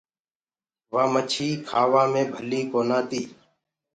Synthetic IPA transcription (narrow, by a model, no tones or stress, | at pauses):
ʋãːmət͡ʃʰiːkʰaːʋãːmẽːbʱəliːkoːnãːt̪iː